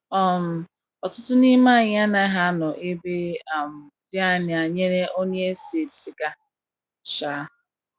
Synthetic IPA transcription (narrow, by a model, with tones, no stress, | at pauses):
ɔ˦˨m̩˨ | ɔ˨tʊ˦tʊ˦ni˦ma˦˨ɲ˨˦a˦na˨e˦ɦa˦nɔ˨ʔɪ˦be˦a˨m̩˨ | bja˦˨n˨a˨ɲe˦ɾe˦o˦ɲe˦se˨tsi˨ka˦ | ʃa˨˦